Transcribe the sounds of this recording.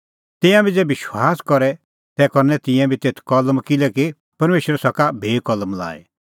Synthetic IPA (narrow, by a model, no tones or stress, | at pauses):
t̪ɪ̃jãbʱid͡zɛbɪʃwaːskɔɾɛ | t̪ɛkɔɾnɛt̪ɪ̃jɛ̃bʱit̪eːt̪ʰkɐlmkɪlɛki | pɐɾmeːʃəɾɛsɐkabʱeːkɔlmla̰ːḭ